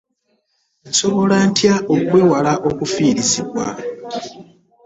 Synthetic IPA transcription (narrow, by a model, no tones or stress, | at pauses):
nso̞βo̞lantʰjaʔoɡweːwalaʔo̞kufiːɾiziβwa̰